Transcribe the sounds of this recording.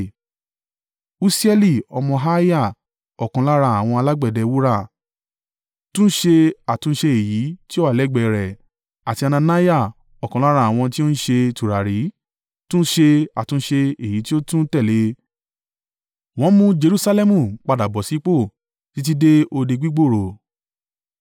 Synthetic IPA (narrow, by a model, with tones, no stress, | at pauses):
u˦si˦ɛ˧li˦˨ɔ˧mɔ̃˧ɦa˦ja˦˨ | ɔ˨kã˨˦la˦ɾa˧˦a˨w̃ɔ̃˧a˧la˦ɡ͡bɛ˦˨dɛ˧wu˦ɾa˦˨ | tũ˦ʃe˧a˨tũ˨˦ʃe˧e˨ji˨˦ti˦o˦wa˦˨lɛ˨˦˨ɡ͡bɛ˨ɾɛ˨ | a˨ti˧a˧nã˧na˦ja˦˨ | ɔ˨kã˨˦la˦ɾa˧˦˨a˨w̃ɔ̃˧ti˦o˦n̩˦ʃe˧tu˨ɾa˨ɾi˨˦ | tũ˦n̩˦ʃe˧a˨tũ˨˦ʃe˧e˨ji˨˦ti˦o˦tũ˦tɛ˦˨le˨˦ | w̃ɔ̃˨˦mũ˦d͡ʒe˧ɾu˧˦sa˧lɛ˦mũ˦˨k͡pa˨da˨bɔ˨si˨˦k͡po˦˨ | ti˦t̬i˦de˦o˧de˧ɡ͡bi˦ɡ͡bo˦˨ɾo˨